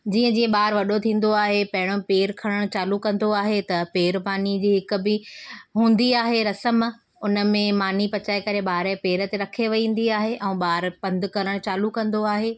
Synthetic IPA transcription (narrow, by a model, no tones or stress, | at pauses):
d͡ʑiːə̃d͡ʑiːə̃ɓaːɾʋɐɗot̪ʰĩːn̆d̪oaːɦepɐɦɪɽ̃opeːɾkʰɐɽ̃əɽ̃t͡ɕaːlukɐ̃nd̪oaːɦet̪ɐpeːɾpaːnid͡ʑiːɦɪkʊ̆bɪɦũːn̆d̪iaːɦeɾɐsəm | ʊnə̆mẽmaːnipɐt͡ɕaːekɐɾeɓaːɾɛpeːɾət̪eɾɐkʰeʋɐĩːn̆d̪iaːɦeʔɛ̃ːɓaːɾpɐ̃nd̪kɐɾəɽ̃t͡ɕaːlukɐ̃nd̪oaːɦeː